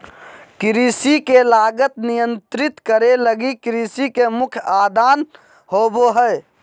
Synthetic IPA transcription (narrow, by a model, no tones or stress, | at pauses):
kɪɾisikelaːɡət̪nijə̃nt̪ɾɪt̪kəɾeləɡikɾisikemʊkʰjaːd̪aːn | ɦoːboɦəɛ